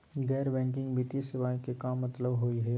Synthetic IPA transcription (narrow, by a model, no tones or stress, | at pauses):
ɡɛːɾbɛ̃ːŋkɪ̃ŋɡbit̪isɪʋaːikekaːmːɐt̪ləbɦoiɦɛː